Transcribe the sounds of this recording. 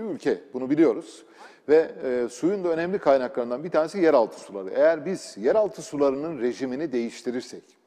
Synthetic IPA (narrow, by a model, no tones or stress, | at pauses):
iylʲcʰɛbunubilʲijo̞ɾuz̥ | vɛsujund̪aø̞nɛmlʲikʰajnaklˠaɾɯnd̪anbit̪ʰaːnesijæɾalˠt̪ʰɯ̥sulˠa̰ɾɯʔe̞jæɾbiz̥jæɾalˠt̪ʰɯsulˠaɾɯnɯnɾe̞ʒiminid̪e̞jiʃt̪ʰiɾiɾsɛc